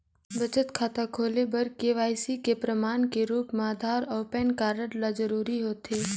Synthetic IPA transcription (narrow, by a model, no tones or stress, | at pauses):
bɐt͡ʃət̪kʰaːt̪akʰoːlebɐɾkeʋaːjsikepɾəmaːnkeɾuːpmaːd̪ʱaːɾɔːpɛːnkaːɾəɽlad͡ʒəɾuːɾiɦoːt̪eː